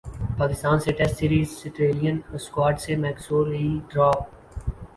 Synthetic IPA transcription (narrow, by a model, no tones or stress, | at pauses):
paːkɪst̪aːnseʈɛsʈsiːɾiːzsɪʈɾeːlijə̃nskwaːɾʈsemɛːksoːɾiɖɾɔːp̚